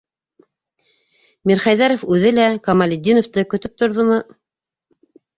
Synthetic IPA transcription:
miɾχɑjðæɾofʉðɘlækɑmalʲɪd̪ːinoft̪ɤkɵ̆t̪ɵp̚t̪ŏɾðomɤ

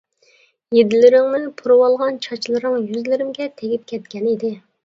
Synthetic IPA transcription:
jed̪ɪlɪɾɪŋnɪŋpʰuɾɨwɑlˠʁɑnt͡ʃʰɑt͡ʃʰlˠɨɾɨŋjyzlɪɾɪmɡʲɛt̪ʰeɡʲip̚kʲʰɛt̪kʲɛnid̪ɪ

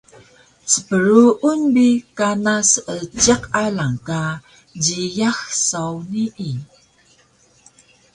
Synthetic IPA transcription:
səpəɾuʔunbikanasət͡ɕeqalaŋka | d͡ʑijaxsawniʔi

